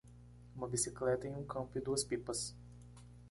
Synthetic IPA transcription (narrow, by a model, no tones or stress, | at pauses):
ũmɐbisiklɛt̪ɐẽj̃ũkɐ̃mpʊɪd̪uɐspipɐs